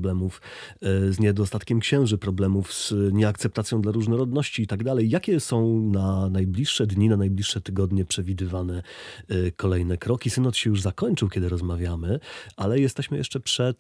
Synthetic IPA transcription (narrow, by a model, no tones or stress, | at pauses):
blɛmuf | zɲɛd̪ɔst̪at̪kʲɛmkɕɛ̃w̃ʐɘpɾɔblɛmuvz̥ɲɛak̚t̪sɛp̚t̪at̪sʲjɔ̃w̃d̪laɾuʐnɔɾɔd̪nɔɕt͡ɕiːt̪aɡd̪alɛjːakʲɛsɔ̃w̃nanajblʲiʂːɛd̪ɲinanajblʲiʂːɛt̪ɘɡɔd̪ɲɛpʂɛvʲid̪ɘvanɛ | kɔlɛjnɛkɾɔkʲisɘnɔt̪ɕɛjuʐzakɔɲt͡ʂɘwkʲɛd̪ɘɾɔzmavʲjamɘʔalɛjɛst̪ɛɕmɘjɛ̰ʂt͡ʂɛpʂɛt̪